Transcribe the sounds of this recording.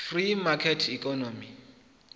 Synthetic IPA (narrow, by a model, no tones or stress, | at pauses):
frimakʰɛtʰikʰʼɔnɔmi